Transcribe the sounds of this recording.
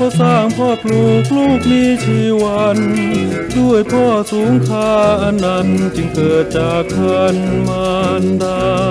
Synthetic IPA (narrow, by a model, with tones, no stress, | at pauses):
kʰa˧˩saː˥˩ŋpʰɔː˥˩p̚luː˧˩k̚luː˥˩k̚niː˧˥t͡ɕʰiː˧˩wa˧n | du˥˩əjpʰɔː˥˩suː˨˩˦ŋkʰaː˧˥ʔa˧na˧˥nt͡ɕɯ˧ŋkɤː˨˩t̪̚t͡ɕaː˨˩kʰːa˧˥nmaː˧ndaː˧˩